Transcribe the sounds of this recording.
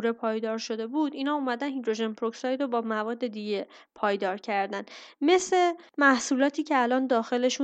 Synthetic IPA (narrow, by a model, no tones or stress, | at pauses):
ɾepʰɒːjd̪ɒːɾʃo̞d̪e̞bud̪iːnɒːumæd̪ænhid̪ɾo̞ʒenpʰɾoksɒːjd̪ɾobɒːmævɒːd̪ːe̞d̪iɟe̞pʰɒːjd̪ɒːɾcʰæɾd̪ænme̞sle̞mæhsuːlɒːt̪ʰiːcʰe̞ælɒːnd̪ɒːxe̞le̞ʃu